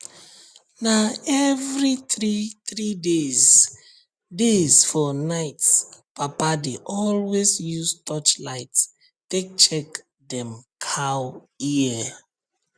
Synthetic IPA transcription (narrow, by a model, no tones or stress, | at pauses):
naɛvɹiɹitɹidez | dezfɔnaɪtspapadeʔɔlwesjustɔt͡ʃlaɪts | tek̚t͡ʃɛk | dɛ̃mkʰaw | iɛ